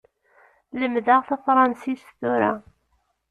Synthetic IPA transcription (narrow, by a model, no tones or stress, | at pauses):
ləmðaʁθɑfɾˤɑnsisθuɾa̰